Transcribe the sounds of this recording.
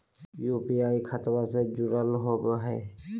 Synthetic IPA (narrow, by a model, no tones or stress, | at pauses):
jupiajkʰat̪based͡ʒuɾəlɦobɦɛ